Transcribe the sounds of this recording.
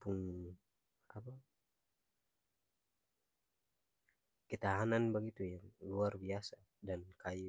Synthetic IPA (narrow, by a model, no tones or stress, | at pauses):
puŋ | apa | kət̪aɦananbaɡit̪ujaŋluarbiasa | dankaju